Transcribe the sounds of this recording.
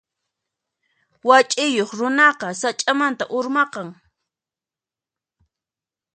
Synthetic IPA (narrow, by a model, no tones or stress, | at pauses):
wat͡ʃʼɪjoχɾʊnɑqɑsat͡ʃʼamant̪aʔʊɾmɑqɑŋ